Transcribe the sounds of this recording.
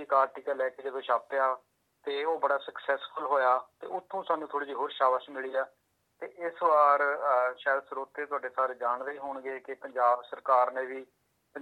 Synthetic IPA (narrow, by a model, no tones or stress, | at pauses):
ikaːɾʈiːkaːlɛːkeːd͡ʒədeːʃaːpejaː | t̪eːoːbəɽaːsəksɛːsfʰəlɦoːjaːt̪ḛːʊt̪ʰːõːsaːnũːt̪ʰoːɽiːd͡ʒiːɦoːɾʃaːʋəsmɪliːaː | t̪eːʔɪsʋaːɾʃaːɛd̪sɾoːt̪ːeːt̪ʊaːɖeːsaːɾed͡ʒaːɳd̪eiːɦoːɳɡeːkɪpəɲd͡ʒaːbsəɾkaːɾneːʋiː | pə